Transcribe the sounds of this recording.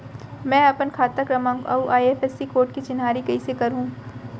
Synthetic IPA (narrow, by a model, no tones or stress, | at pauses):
mɛ̃ːɐpənkʰaːt̪əkɾɐmãŋɡɐ̰uʔaːieːfɛsikoːɾʈkit͡ʃɪnɦaːɾikɐisekɐɾɦũː